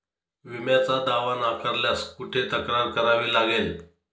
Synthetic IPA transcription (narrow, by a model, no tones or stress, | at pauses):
ʋimjat͡sad̪aʋanakəɾljaskuʈʰet̪əkɾaɾkəɾaʋiːlaɡel